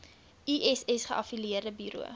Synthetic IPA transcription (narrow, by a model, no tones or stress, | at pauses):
iʔɛsɛsχəʔɐfiliərdəbyːɾṵə̰